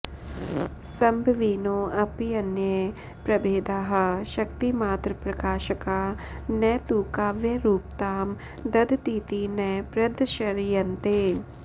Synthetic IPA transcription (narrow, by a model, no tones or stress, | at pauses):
sɐmbʱɐʋiːnoːɐpiɐnje | pɾɐbeːd̪aːɦɐ̆ʃɐk̚t̪imaːt̪ɾɐpɾɐkaːʃɐkaːnɛːt̪uːkaːʋjɐɾuːp̚t̪aːm | d̪ɐd̪t̪iːt̪inɐpɾɐd̪ʃɐɾjɐnt̪eː